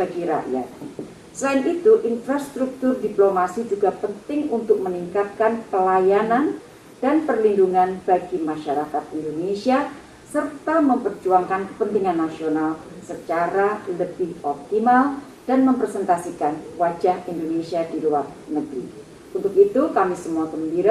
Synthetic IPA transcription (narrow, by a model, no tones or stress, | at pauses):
b̥aɡiɾa̰ja̰t̪̚ | səlaɪnʔit̪uʔinfɾast̪ɾuk̚t̪ʊrdiplomasid͡ʒuɡapənt̪ɪŋunt̪ʊk̚məniŋkat̪̚kanpəlajanan | d̥anpərlinduŋanb̥aɡimaʃaɾakat̪̚indonesia | sərt̪aməmpərd͡ʒuaŋkankəpənt̪iŋanːasionalsət͡ʃaɾaləb̥ɪhɔp̚t̪imal | d̥anməmpɾesɛnt̪asikanwad͡ʒahindonesiadiluarnəɡɾḭ | ʔunt̪ʊk̚it̪ukamisəmuakəmbiɾa